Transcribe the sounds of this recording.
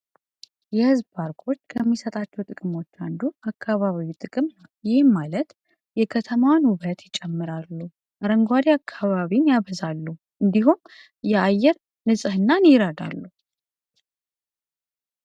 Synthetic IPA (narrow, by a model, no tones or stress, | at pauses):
jɛhɨzbaɾkʰo̞t͡ʃːkʰəmːisət̪ʼat͡ʃːɛwt̪ʼɨkʼɨmo̞t͡ʃːand̪uakːaβaβiwit̪ʼɨkʼɨmnəwjɪhmːalət̪ | jɛkʰət̪ʰəmawnwuβət̪jɪt͡ʃʼːɛmːɨɾalːu | ʔaɾəŋɡʷad̪iakʰːaβaβinjaβəzalːu | ʔɨnd̪iɦum | jɛajːɛɾ | nɨsʼɨhɨnːaniɾad̪a̰lːu